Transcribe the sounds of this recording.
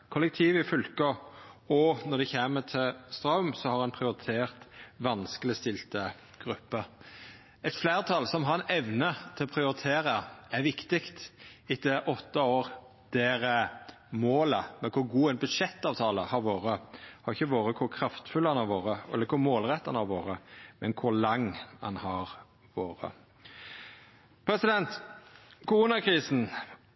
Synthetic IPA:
kʰʊlːɛk̚t̪ʰiːʋɪfʉlkəɔnɔd̪ɛçeːmət̪ʰɪlst̪ɾɑʉmsɔhɑɾɛnpʰɾɪʊɾɪt̪ʰeːɾt̪ʋɑnskəlɪst̪ɪlt̪ə | ɡ̥ɾʉpːə | ɛt̪flæːʁt̪ʰɑlsɔmɦɑɾɛnɛʋnət̪ʰɪlɔpʰɾɪʊɾɪt̪ʰeːɾəæɾʋɪkt̪ɪkt̪ɪt̪ɛʔɔt̪ːəoːɾ | d̪̥eːɾə | moːləmɛkʰʊɾɡuːɛnbʉd̪ʂɛt̪ːɑːʋt̪ʰɑːləhɑɾʋoːɾəhɑɾɪçːəʋoːɾəkʰʊɾkʰɾɑft̪fʉlɑnhɑɾʋoːɾəɛ̰lːəɾkʰʊɾmoːlʁɛt̪ːɑnhɑɾʋoːɾəmɛnkʰʊɾlɑŋːɑ̰nhɑɾ | ʋoːɾə̰ | pʰɾɛsɪd̪ɛnt̪kʊɾuːnɑkɾiːsn̩

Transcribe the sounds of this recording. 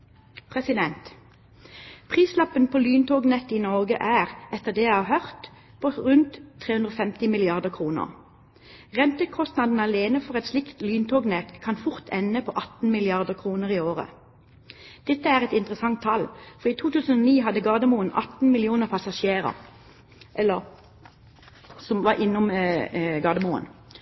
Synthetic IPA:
pʰʁɛsɪd̪ɛnt̪ | pʰʁiːslɑpənpʰoːlyːnt̪ʰoːɡnɛt̪ːiːnɔʁɡə̰ʔæːʁɛt̪ːəʁd̪eːjæɪhɑːʁhœʁt̪ | pʰoːʁʉnt̪ʰːʁeːʉnd̪ʁoːfɛmt̪ɪmɪlɪɑʁd̪əʁkʰʁuːnə̰ʁ | ʁɛnt̪əkʰɔst̪nɑd̪n̩ɑleːnəfɔʁɛt̪slɪkt̪lyːnt̪ʰoːɡnɛt̪kʰɑnfʊʁt̪ʰɛnːəpʰo̰ːʔɑt̪n̩mɪlɪɑʁd̪əʁkʰʁuːnəʁiːoːʁə̰ | d̪̥ɛt̪ːəæːʁɛt̪ɪnt̪ʁəsɑŋt̪ʰːɑlfɔʁiːt̪ʰuːt̪ʉːsənoːniːɦɑd̪əɡɑːd̪əmuːənʔɑ̰t̪n̩mɪlɪuːnəʁpʰɑsɑʃeːʁə̰ | ʔɛlːəʁ | sɔmʋɑʔɪnːʊm | ɡɑːd̪əmuːə̰n

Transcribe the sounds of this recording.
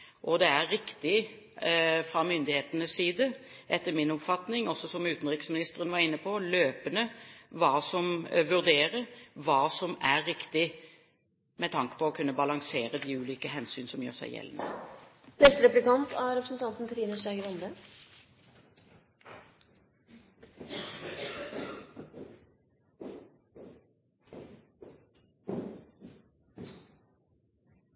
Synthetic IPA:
ʔɔd̪ɛæɾɪkt̪ɪ | fɾɑmʏnd̪ɪheːt̪ənəsːiːd̪ə | ʔɛt̪ːəmɪnɔpfɑt̪nɪŋɔsːɔsɔmʉːt̪nɾɪksmɪnɪst̪əɾənʋɑɾɪnːəpʰɔløːpənəʋɑːsɔmʋʉʁd̪eːɾəɾʋɑːsɔmæɾɪkt̪ɪ | mɛt̪ʰɑŋkə̥pʰɔːkʰʉnːəbɑlɑŋseːɾəd̪ɪʉːliːkəɦɛnsyːnsɔmjø̰ːɾsæ̰ɪjɛ̰lːnə̰nɛst̪əɾɛplɪkɑnt̪ʰɑɾɛpɾəsn̩t̪ʰɑnt̪n̩t̪ʰʋiːnəʂæɡəɾɔnd̪ə

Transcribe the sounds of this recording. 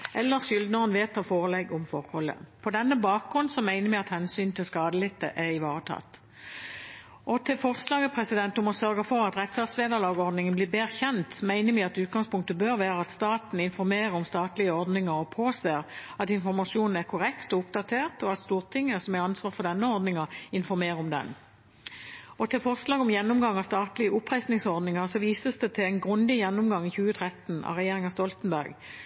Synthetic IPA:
ʔɛlːəʁʃʏld̪nəʁənʋeːt̪ʰːɑːfoːʁəlɛɡɔmfɔʁhɔlːə̰pʰɔd̪ɛnːəbɑːk̚ɡʁʉnsɔmæɪnəmɛɪɑt̪hɛnsyːnt̪ʰɪlskɑːd̪əlɪt̪ːə̰ʔæʁɪʋɑːʁət̪ʰɑ̰ːt̪ | ʔɔt̪ʰɪlfɔʁslɑːɡəpʰʁɛsɪd̪ɛnt̪ʊmɔsœʁɡəfɔʁɑt̪ʁɛt̪ːfæːʁd̪sʋeːd̪ɑʁlɑːɡɔʁd̪nɪŋənblɪːbeːʁçɛnt̪mæɪnəmɪɑt̪ʉːt̪̚ɡɑŋspʰʊŋkt̪əbøːɾʋæːʁəɑt̪st̪ɑːt̪n̩ɪnfɔɾmeːʁəɾɔmst̪ɑːt̪lɪəɔʁd̪nɪŋəɾɔpʰoːseːʁɑt̪ɪnfɔɾmɑʂuːnn̩æʁkʰʊʁɛkt̪ɔʊpd̪ɑt̪ʰeːʁt̪ɔɑt̪st̪uːʁt̪ʰɪŋːəsɔmæɑnsʋɑːfɔʁd̪ɛnːəɔɾd̪nɪŋɑɪnfɔɾmeːʁəɔmd̪ɛ̰n | ɔt̪ʰɪlfɔslɑːɡɔmjɛnːʊmɡɑŋːɑst̪ɑːt̪lɪəʔʊpːʁæɪsnɪŋsɔʁd̪nɪŋəʁsɔʋiːsəsd̪ɛt̪ʰɪlæɪnɡʁʉnd̪ɪjɛnːʊmɡɑŋːɪçʉːət̪ʰʁɛt̪n̩ɑ̰ʁɛjeːʁɪŋɑst̪ɔlt̪nbæʁɡ

